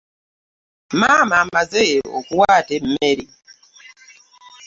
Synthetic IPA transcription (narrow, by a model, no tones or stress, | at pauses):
mamamazeɾ̰okuwatem̩meɾi